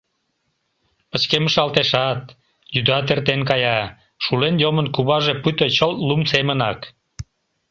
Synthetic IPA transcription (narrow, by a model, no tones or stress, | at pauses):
pət͡ɕkeməʃɑlt̪eʃɑt̪̚ | jyd̪ɑt̪̬ert̪enkɑjɑ | ʃulenjomənkuβɑʒepyt̪ət͡ɕəllumsemənɑk